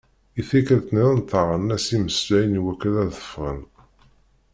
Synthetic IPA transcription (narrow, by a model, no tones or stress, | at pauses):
iθækəɾt̪niðənt̪əʁənːæsiməslæjniwækːəðæθə̥fʁə̰n